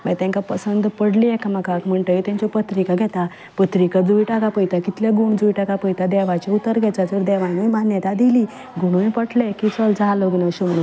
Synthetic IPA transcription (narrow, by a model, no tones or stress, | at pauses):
mət̪ãŋkapəsənd̪pəɽliɛkamakakm̤əɳʈ̪əit̪ãɲt͡ɕɔpət̪ɾikaɡʱɛt̪a | pət̪ɾikad͡zuiʈakapəjt̪akit̪ljaɡuɳd͡zuiʈakapəjt̪ad̪ɛʋat͡ɕeut̪ːəɾɡʱɛt͡ɕat̪əɾd̪ɛʋanimanjət̪ad̪iliː | ɡuɳuipəʈlɛkit͡sɔld͡zʱaloɡnəɕumɽu